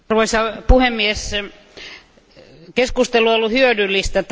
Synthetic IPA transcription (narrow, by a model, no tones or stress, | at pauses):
ruʋosɑpuhemːies | keskust̪eluolːuhyødylːist̪æt̪